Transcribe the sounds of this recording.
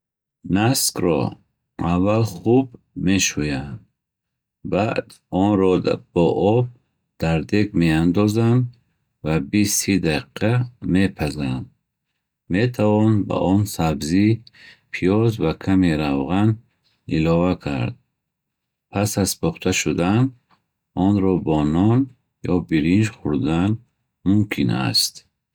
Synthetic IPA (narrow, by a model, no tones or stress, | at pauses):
naskɾɔ̰ | avːalχub | meʃujand̪ | bad̪ | ɔnɾɔb̥ɔʔɔb̚ | d̪̥aɾd̪ekmeand̪ɔzand̪ | vabisid̪aiqʰame̞pʰazand̪ | met̪ʰavɔnba̰ʔɔnsabzipʰijɔzvakʰameɾavʁan | ilɔvakʰa̰ɾd̪̚ | pʰasazpʰɔχt̪ʰaʃud̪an | ɔnɾɔbɔnɔn | jɔbiɾind͡ʒχuɾd̪an | mumkʰina̰st̪